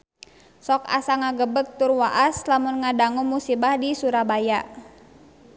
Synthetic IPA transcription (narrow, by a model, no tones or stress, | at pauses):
sɔka̰saŋaɡəbək̚t̪ʊrwaʔaslamʊnŋadaŋumːusibahdisuɾabajaʔ